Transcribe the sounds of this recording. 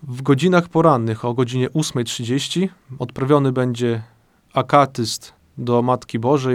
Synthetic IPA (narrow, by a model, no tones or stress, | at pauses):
vɡɔd͡ʑinaxpɔɾanːɘxɔɡɔd͡ʑiɲɛʔusmɛjtʂɘd͡ʑeɕt͡ɕi | ɔt̪pɾavʲjɔnɘbɛɲd͡ʑɛ | akat̪ɘst̪ | d̪ɔmat̪kʲibɔʐɛ